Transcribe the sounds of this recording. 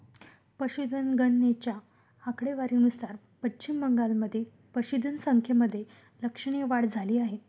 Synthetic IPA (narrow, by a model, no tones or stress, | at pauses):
pəɕud̪ʱənɡənːet͡ɕja | akɽeʋaɾiːnusaɾ | pət͡ɕimːəŋɡalməd̪ʱːje | pəɕud̪ʱənsəŋkʰjeməd̪ʱːje | ləkʂəɳ̃eʋaɽd͡zʱaliːaɦe